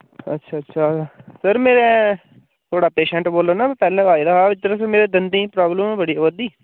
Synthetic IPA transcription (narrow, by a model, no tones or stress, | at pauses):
ə̰tːʃʰaːətːʃʰasəɾmeːɾe | t̪ʰoːɽaːpeːʃɛ̃ɳʈboːlːonapɛːlɛ̃aːid̪aːɦaːʋɪt̪ːəɾãs̬əmeːɾeːd̪ənd̪ĩːpɾaːbləmbəɽiːəbəd̪iː